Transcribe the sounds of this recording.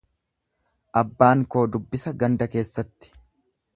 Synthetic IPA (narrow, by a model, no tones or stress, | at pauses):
ʔɐbːaːŋko̞ːd̪ʊbːɪsɐɡɐnd̪ɐke̞ːsːɐt̪ːɪ̥